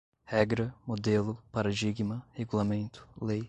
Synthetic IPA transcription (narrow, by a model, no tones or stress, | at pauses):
hɛɡɾɐmod̪elʊpaɾad͡ʒiɡmɐheɡulamẽnt̪ʊ̥lej